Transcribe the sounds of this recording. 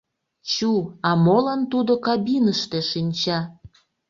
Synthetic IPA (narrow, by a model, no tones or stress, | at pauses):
t͡ɕuɑmolɑnt̪ud̪okɑbinəʃt̪eʃinʲt͡ɕɑ